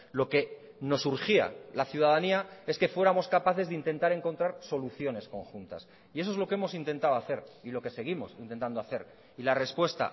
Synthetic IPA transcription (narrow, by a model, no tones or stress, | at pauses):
lo̞ke̞ | no̞suɾxia̰laθjuð̞að̞aniae̞ske̞fwe̞ɾamo̞skapaθe̞zðeint̪e̞nt̪aɾe̞ŋko̞nt̪ɾaɾso̞luθjo̞ne̞sko̞ŋxunt̪a̰s | ieoe̞zlo̞kee̞mo̞s̬int̪e̞nt̪aoaθe̞ɾilo̞ke̞se̞ɣ̞imo̞sint̪ent̪and̪oaθe̞ɾ | ilare̞spwe̞st̪a̰